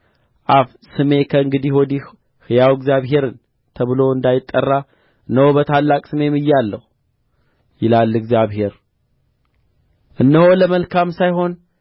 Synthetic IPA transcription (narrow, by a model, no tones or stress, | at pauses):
ʔaf | sɨme̞kʰəɨŋɡɨd̪iwɔd̪i | hɨjawɨɡzjaβɦe̞ɾɨn | t̪ʰəβɨlo̞ɨnd̪ajɪt̪ʼːərːa | ɨnːəhobət̪ʰalːakʼsɨme̞mɨjːalːəhu | jɪlalːɨɡzjaβɦe̞ɾ | ʔɨnːəho̞ləməlkʰamsajɦo̞n